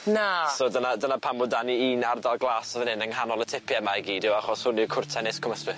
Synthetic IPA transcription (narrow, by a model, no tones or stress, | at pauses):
nasoːdənadənapʰamʊdaniiːnardalˠɡlˠaːsavənɪnəŋɦanɔlˠətʰɪpʰjɛmajɡiːdɪwaχɔshʊnikʰʊrtʰɛneskʰɔməspɪθ